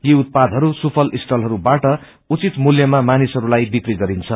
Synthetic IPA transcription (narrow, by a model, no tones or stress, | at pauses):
jiut̪̚pad̪ʱɦʌɾusupʰʌlʔisʈʌlɦʌɾubaʈʌ | ut͡sit̪muljʌmamanisɦʌɾulajbikriɡʌɾint͡sʰʌ